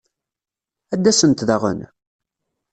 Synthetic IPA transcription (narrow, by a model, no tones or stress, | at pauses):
æd̪ːæsənt̪ðæʁə̰n